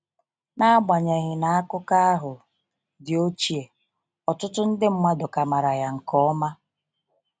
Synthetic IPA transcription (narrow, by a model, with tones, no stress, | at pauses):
na˦a˦ɡ͡ba˨ɲe˨ɣɪ˨na˨a˦kʊ˦ka˦a˦ɦʊ˨ | dɪ˨o˦t͡ʃi˦e˨ | ɔ˨tʊ˦tʊ˦n̩˦dɪ˦m̩˦mʷa˦dʊ˨ka˨ma˨ɾa˨ja˨ŋ̩˨kɔ˦ma˦